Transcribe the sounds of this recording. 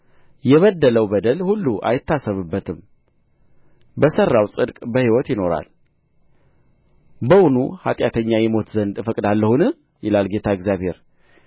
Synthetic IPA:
jɛβəd̪ːələwbəd̪əlhulːuʔa̰jɪt̪ːasəβɨbːət̪ʰɨm | bəsərːawsʼɨd̪kʼbəhiwɔt̪jɪno̞ɾa̰l | bəwunṵha̰t̪ʼjat̪ʰəɲːajɛmo̞t̪zənd̪ɨfəkʼd̪alːəhunɨ | jɛlalɡe̞t̪ʰaɪɡzjaβhe̞ɾ

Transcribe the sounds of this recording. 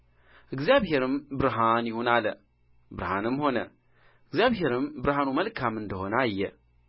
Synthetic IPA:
əɡzabɦeɾɨmbɨɾɦanihunalə | bɨɾɦanɨmhonɐ̰ | əɡzabɦeɾɨmbɨɾɦanumɐlkamɨndəɦonajːə

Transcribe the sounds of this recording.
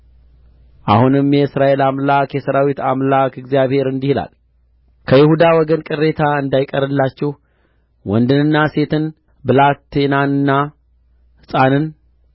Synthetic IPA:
ʔa̰hunɨmjɛsɾaʔe̞lamlakjɛsəɾawit̪amlakɨɡzijaβhe̞ɾɨnd̪ihla̰l | kʰəjɪhud̪awɔɡənkʼɨrːe̞t̪ʰaɨnd̪ajkʼəɾɨlːat͡ʃːɛh | wɔnd̪ɨnɨnːase̞t̪ɨn | bɨlat̪ːenanɨnːa | hɨsʼanɨn

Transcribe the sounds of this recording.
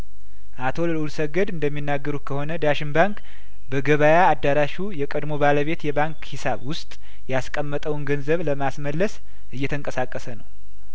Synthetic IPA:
ʔat̪ʰo̞llulsəɡəd̪ɨnd̪əmːinːaɡːəɾut̪̚kʰəho̞nəd̪aʃɪnbaŋk | bəɡəβajaːd̪ːaɾaʃujɛkʼəd̪mo̞baləβe̞t̪jɛbaŋkhisaβwʊst̪ʼ | jaskʼəmːət̪ʼəwnɡənzəβləmasməlːəs | ʔɨjːɛt̪ʰəŋkʼəsakʼːəsənəw

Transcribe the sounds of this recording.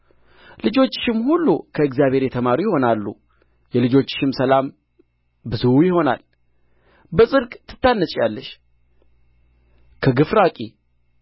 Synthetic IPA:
lɨd͡ʒo̞t͡ʃːʃɪmhulːukʰəɨkzjaβhe̞ɾjɛt̪ʰəmaɾujɪho̞nalːṵ | jɛlɨd͡ʒo̞t͡ʃːʃɪmsəlam | bɨzujɪho̞na̰l | bəsʼɨɾkʼt̪ʰːɨ̥t̪ːanːət͡ʃʼjalːəʃ | kʰəɡɨfɾakʼi

